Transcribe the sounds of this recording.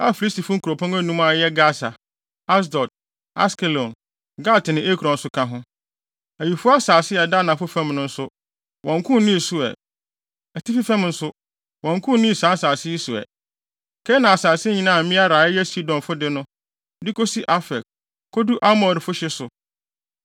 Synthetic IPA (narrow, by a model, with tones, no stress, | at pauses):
a˦fi˨li˦sti˨fʊ˦ŋ̩˦kʰu˨ɾo˨pʰɔ̃˦ŋæ˦nũ˦ma˨jɛ˦ɡa˦sa˨ | a˦s̬dɔ˨t̚ | a̰˦skɛ˨lɔ̃˨n | ɡa˦ltnɪ̃˨ʔe˦kʰɾɔ̃˨n̩˨sʊ˦kʰã˦ɦʊ̃˦ | æ˨ji˨fʊ˦a˦saː˨sɪ˦ɛ˨da˦˨nã˨fʊ˦fɛ̃˦mnʊ̃˦n̩˦sʊ˦ | wʔɔ̃˨ŋkʰʊ̃˦nĩ˦˨sʊ˦ɛ̰˨ | æ˨tʰi˦fi˦fɛ̃˦mn̩˦sʊ˦ | wɔ̃˨ŋkʰʊ̃˦n˦nĩ˦˨sã˨˦saː˨sɪ˦i˦sʊ˨ɛ̰˨ | kʰɛ˦nã˨a˨saː˨sɪ˦ɲĩ˦nãː˦˨m̩˨mɪ̃˦a˦ɾaː˨ɛ˦jɛ˦si˦dɔ̃˨nfʊ˦dɪ˦nʊ̃˦ | dɪ˦kʰo˦si˦ʔa˦fɛ˨k̚ | kʰɔ˦du˦ʔa˦mɔ˨ɾfʊ˦ɕɪ˦sʊ˨